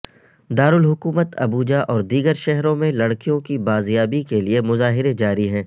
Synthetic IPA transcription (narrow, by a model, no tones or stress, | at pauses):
d̪aːɾʊlɦʊkuːmət̪ʰɐ̰buːd͡ʒaʔɔːɾd̪iːɡəɾʃɛɦɾõmẽlɐɽkijõkibaːzjaːbikeliemʊzaːɦɪɾed͡ʒaːɾiɦɛ̃ː